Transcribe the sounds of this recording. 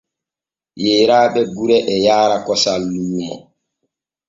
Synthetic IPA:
jeːɾaːɓɛɡuɾɛʔɛjaːɾakɔsalːuːmɔ̰

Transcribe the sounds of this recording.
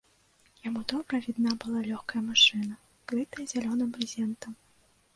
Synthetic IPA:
jamud̪ɔbɾɐvʲid̪nabɨlˠalʲɔxkɐjɐmaʂɨnɐ | kɾɨt̪ɐjɐzʲalʲɔnɨmbɾʲizʲɛnt̪ɐm

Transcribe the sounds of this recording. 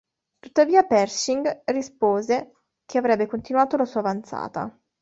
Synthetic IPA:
t̪ut̪ːaviːapɛrsiŋɡrispoːze | k̟ʰeavɾɛbːekont̪inuaːt̪olasuːaːvant̪sa̰ːt̪a̰

